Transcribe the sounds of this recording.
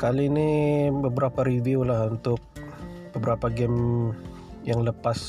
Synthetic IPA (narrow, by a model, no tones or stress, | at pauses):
kalinibəbəɾapaɾidiolahunt̪ʊk̚bəbəɾapaɡɛm | jaŋləpas